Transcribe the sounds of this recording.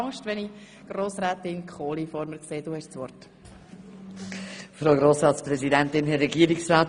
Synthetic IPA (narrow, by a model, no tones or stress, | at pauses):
ŋʃtʋɛni | ɡ̥ɾoːsɾɛːt̪ɪnkʰχoːlifɔɾməkseːd̥uːhɛʃsʋɔɾt | fɾoʊɡɾoːsɾɑːt̪spɾɛzidɛntɪnɦɛɾɛɡiəɾiksɾɑːt